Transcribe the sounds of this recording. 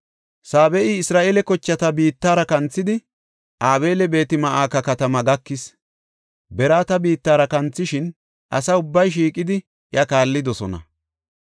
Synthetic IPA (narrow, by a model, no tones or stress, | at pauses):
saːbɛʔɪɪsɾaːʔeːlɛkɔt͡ʃːɐt̪ɐbiːt̪ːaːɾɐkɐnt͡sːɪd̪ɪ | ʔaːbe̞ːlɛbe̞ːt̪ɪmɐʔaːkɐkɐt̪ɐmɐɡɐkːɪs | bɛɾaːt̪ɐbiːt̪ːaːɾɐkɐnt͡sːɪʃɪn | ʔɐ̰sɐʊbːɐjʃ̬iːkʼːɪd̪ɪ | ʔɪjɐkaːlːɪd̪ɔsɔnɐ̰